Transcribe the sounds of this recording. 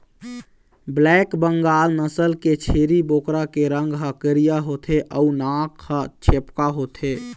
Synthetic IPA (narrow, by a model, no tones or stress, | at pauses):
blɛkbəŋɡaːlnəsəlket͡ʃʰeɾibokɾakeɾəŋɡɦəkəɾijaɦot̪ʰeʔəunakhət͡ʃʰepkaɦot̪ʰe